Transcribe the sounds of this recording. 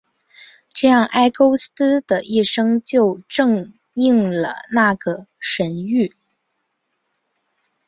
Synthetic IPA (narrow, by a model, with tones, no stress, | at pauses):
ʈ͡ʂɤ˥˧jɑ˥˩ŋʔa˥ɪko˥ʊs̩˥d̪ə˨˩ʔi˥˩ʂɤ˥ŋt͡ɕjo˥˧ʊʈ͡ʂɤ˥˧ŋ | i˥˩ŋlə̰˩na˥˩ɡə˩ʂə˧˥ny˥˩